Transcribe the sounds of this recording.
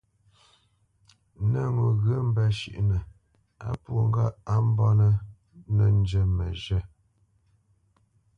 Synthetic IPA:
nə˦˨ŋo˨ɣə˦m̩˦bɛ˦ʃḭ˦˨ʔnə˨ | a̰˦pwo˨ŋ˦ɡa˦a˦m˦bɔ˦nə˦ | nə˨n˦d͡ʒə˨mə˨ʒɛ˦˨

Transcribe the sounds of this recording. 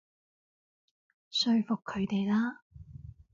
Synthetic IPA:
sɵ˧ɥfʊ˨kʰːɵ˨˧ɥt̪e˨jlaː˥

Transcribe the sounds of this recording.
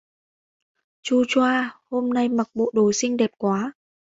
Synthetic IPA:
t͡ɕu˧t͡ɕwaː˧ho˧mna˧jma˨˩k̚ɓo̰˧˨ɗo˨˩sï˧ŋ̟ɗɛ˨˩p̚kwaː˨˦

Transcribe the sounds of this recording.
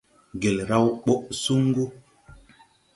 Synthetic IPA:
ɡe˨lɾa˦wɓo˦ʔsu˦ŋ˦ɡu˦

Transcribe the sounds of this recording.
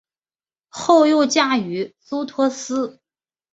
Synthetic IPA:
xo˥˧ʊjo˥˧ʊt͡ɕja˥˩y˧˥su˥t̪ʰwɔ˥sɹ̩˥

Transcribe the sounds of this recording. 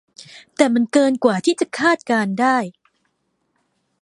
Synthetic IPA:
t̪ɛː˨˩ma˧nkɤː˧nkwaː˨˩t̪ʰiː˥˩t͡ɕa˨˩kʰaː˥˩t̪̚kaː˧ndaː˥˩j

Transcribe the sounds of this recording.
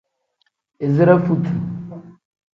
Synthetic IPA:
ɪ˨zi˦ɾa˦fu˦tʰu˨

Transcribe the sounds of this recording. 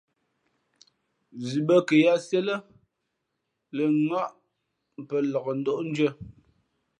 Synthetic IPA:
zi˨bə˦kə˨ja˦se˦lə˦ | lə˨ŋa˦˨ʔ | m˨pə˨lɔ˨ɣə˨n̩˦dɔ˦ʔn̩˦d͡ʒɥə˦

